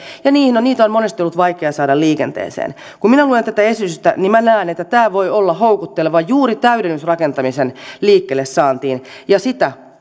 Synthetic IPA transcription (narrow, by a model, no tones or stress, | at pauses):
jɑniːhnoniːt̪onmonest̪iolːut̪ʋɑikeɑsɑːdɑlliːkḛnt̪ḛːsḛːn | kumminæluːlent̪æt̪æesyst̪æ̰nimmænæːnet̪ːæt̪æːʋoiolːɑhoukut̪ːeleʋɑjjuːrit̪æyɾenːysrɑkent̪ɑmisenliːkːelːessɑːnt̪iːn | jɑsit̪æ